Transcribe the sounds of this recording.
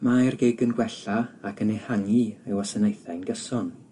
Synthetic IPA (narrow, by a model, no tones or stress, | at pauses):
maɛrɡeːɡənɡwɛɬaːkʰənehaŋiewɔsənejθajnɡəsɔn